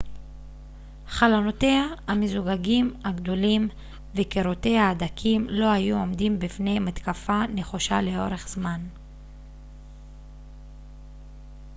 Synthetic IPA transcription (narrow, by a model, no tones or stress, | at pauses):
χalano̞te̞hahamezuɡaɡimhaɡd̪o̞lim | vekeʁote̞jaːdakʰimlo̞hajuo̞md̪imbifne̞jmat̪kafane̞χoʃale̞o̞ʁe̞χz̥man